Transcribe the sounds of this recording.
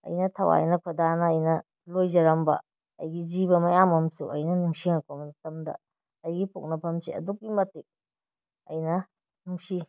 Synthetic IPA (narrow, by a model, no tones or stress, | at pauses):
ɐ̰jnɐtʰɐwa̰jnɐkʰɐdanɐːjnɐ | lojzɐɾɐmbɐ̰ | ɐjɡizibɐmɐjamɐmsuʔɐ̰jnɐnuŋsiŋakʰomɐdɐtɐmdɐ̰ | ɐjɡipʰok̚nɐpʰɐmsiɐ̰duk̚ːimɐtik̚ | ɐjnɐ | nuŋsi